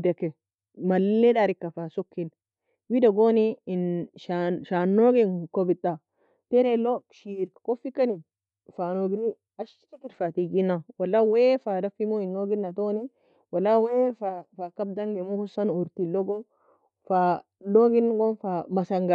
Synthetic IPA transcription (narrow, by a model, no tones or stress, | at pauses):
d̪ɛkːɛ | mɐlːedaɾɪkːɐfaːsɔkːin | wid̪ɐɡoːninʃaʃaːnːoːɡenkɔbɪt̪ʼːa | t̪ɛɾeloʃiɾkkɔfikːɐni | faːnoɡɪni | ɐʃkikɪɾfat̪iɡinːawɐlːawefaːdɐfimoinːoːɡɪnːɐt̪oːni | wɐlːawefafaːkːɐb̚d̪ɐŋɡemukʊsɐnʊɾt̪iloɡo | fa | loɡɪnɡonfamɐsɐŋɡa